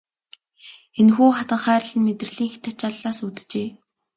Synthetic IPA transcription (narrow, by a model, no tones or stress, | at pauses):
enxuːχat̪ə̆ɴχæːr̆ɮɘ̆nmet̪rɘ̆ɮiːŋxe̥t̪ḁt͡ɕaɮːaːsut̪̆t͡ɕeː